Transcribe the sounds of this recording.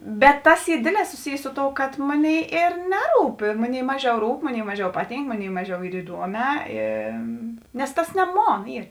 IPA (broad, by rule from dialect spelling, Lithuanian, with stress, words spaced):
bʲɛt ˈtɐs ˈiː ˈdʲeːdʲˌlʲɛː sʊˈsʲɪjeː ˈsʊ ˌtoːʊ kɐt ˈmoːˌnʲeːɪ ɪr ˈnʲæːˌruːp ɪr ˈmoːˌnʲeːɪ ˈmɑːˌʒʲɛʊ ˈruːp ˈmoːˌnʲeːɪ ˈmɑːˌʒʲɛʊ ˈpɑːˌtʲiːŋk ˈmoːˌnʲeːɪ ˈmɑːˌʒʲɛʊ ˈiːr ɪˈduɔˌmʲɛː ɪ nʲɛs ˈtɐs nʲɛ ˈmoːn ˈiːr